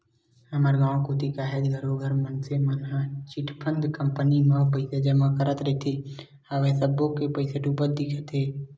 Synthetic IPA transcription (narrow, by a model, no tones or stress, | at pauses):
ɦəməɾɡãːõkot̪ikaɦed̪ɡʱəɾoɡʱəɾmənsemənɦãt͡ʃɪʈʰpʰə̃nd̪kəmpənimẽpəɪsed͡ʒəmakəɾət̪ɾəet̪ʰe | aʋesəbõkepəɪseʈuːpət̪̚d̪ɪkʰət̪ɦeː